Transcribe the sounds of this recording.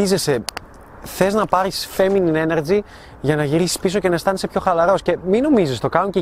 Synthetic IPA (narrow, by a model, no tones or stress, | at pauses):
izese | θe̞znɐpɐɾisfe̞minine̞neɾd͡zi | ʝɐnɐʝiɾisi̥spiso̞ce̞nɐest̪ɐnisepço̞xɐlɐɾo̞sce̞mino̞mizist̪o̞kɐnuɲce